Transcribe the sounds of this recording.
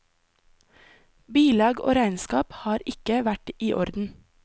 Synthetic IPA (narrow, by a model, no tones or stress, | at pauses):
biːlɑːɡo̰ːɾæɪnskɑːphɑːɾɪkəʋæʈiːʔɔɾd̪n̩